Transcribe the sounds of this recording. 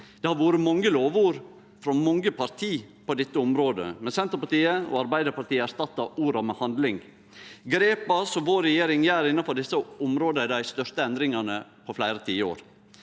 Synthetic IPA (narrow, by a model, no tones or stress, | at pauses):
d̪̥ɛhɑɾʋuːɾəmɔŋːəloːʋuːɾ | fɾɑmɔŋəpʰɑɾt̪ʰiːpɔd̪ɛt̪ːəɔmɾoːd̪ə̰mɛnsɛnt̪əɾpɑʈ̪iːəɔ̰ɑɾbæɪd̪əɾpɑʈ̪iːəæɾʂt̪ɑt̪ːɑʔuːɾɑmɛhɑnd̪lɪŋ | ɡɾeːpɑsɔʋoːɾːɛjeːɾɪŋjæːɾɪnɑfɔɖɪsːəʊmɾoːd̪əæd̪æɪst̪œʂt̪əɛnd̪ɾɪŋɑnəpʰɔflæɪɾət̪ʰiːəo̰ːɾ